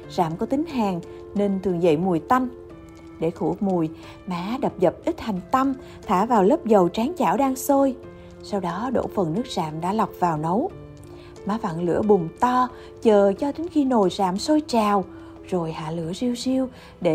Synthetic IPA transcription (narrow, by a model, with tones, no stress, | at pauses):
zaː˧˩mkɔ˨˦t̪ï˨˦ŋ̟ɦaː˨˩ŋ | ne˧nt̪ʰɨ˨˩əŋzə̰˧˨jmu˨˩jt̪a˧jŋ | ɗe˧˩xu˧˩mu˨˩j | maː˨˦ɗə˨˩p̚zə˨˩p̚ʔi˦˥t̚ha˨˩jŋ̟t̪a˧m | t̪ʰaː˧˩vaː˨˩wlə˦˥p̚zə˨˩wt͡ɕaː˨˦ŋt͡ɕaː˧˩wɗaː˧ŋso˧j | sa˧wɗɔ˨˦ɗo̰˧˥fə˨˩nːɨ˦˥ək̚zaː˧˩˨mɗa̰ː˧˥la˨˩wk͡p̚vaː˨˩wnə˨˦w | maː˨˦va̰ː˧˨ŋlɨ̰˧˥əɓʊ˨˩ŋ͡mt̪ɔ˧ | t͡ɕəː˨˩t͡ɕɔ˧t̪i˨˦nxi˧no˨˩jzaː˧˩˨mso˧jt͡ɕaː˨˩w | zo˨˩jha̰ː˧˨lɨ̰˧˥əzi˧əwzi˧əw | ɗe˧˩